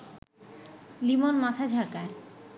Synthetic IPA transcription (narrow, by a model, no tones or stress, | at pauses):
limonmat̪ʰad͡ʑʱakae